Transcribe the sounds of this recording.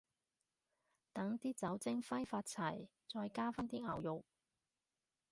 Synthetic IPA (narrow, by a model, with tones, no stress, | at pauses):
t̪ɐ˨˥ŋt̪iː˥t͡sɐ˨˥wt͡sɪ˥ŋfɐ˥jfaː˧t̚t͡sʰɐ˨˩j | t͡sɔː˧jkaː˥fɐ˥nt̪iː˥ŋɐ̰˨˩wjʊ˨k̚